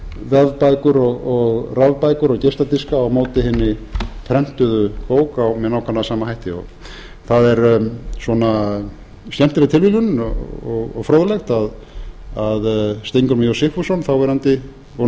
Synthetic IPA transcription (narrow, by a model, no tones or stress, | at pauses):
vɛðpajkʏɾɔɣɔɣravpajkʏɾɔcest̪at̪iskaːwmoːwt̪ɪhɪnːɪp̪ʰɾɛm̥t̪ʏðʏpoːwkawmɛðnawkʰanaðsaːmahajht̪ɪɔ̰ɣ | θaðɛɾswɔna | st̪ɛm̥t̪ɪɾɪt̪ʰɪlvilʏnɔ̰ɔɣɔ̰ɣfɾoːwðlɛxt̪aðaðst̪ejŋkʏɾmijosɪhfusɔnθawvɛːɾant̪ɪ | vo